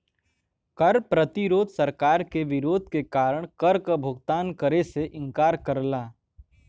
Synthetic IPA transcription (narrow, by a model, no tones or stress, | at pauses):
kɐɾpɾət̪iɾoːd̪sɐɾkaːɾkeʋɪɾoːd̪ʱkekaːɾəɽ̃kɐɾkəbʱʊɡt̪aːnkəɾeseʔɪ̃ŋkaːɾkəɾlaː